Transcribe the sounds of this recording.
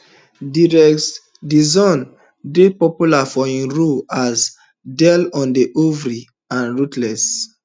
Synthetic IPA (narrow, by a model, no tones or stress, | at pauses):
diɹɛks | dizɔ̃n | depɔpjulafɔĩnɹuaz | dɛlɔ̃ndeʔovɾi | ãnɹutlɛs